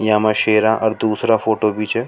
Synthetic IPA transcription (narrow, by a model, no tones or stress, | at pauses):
jãmãʃeːɾãʔɐɾd̪uːsɾafoːʈobʱit͡ʃʰe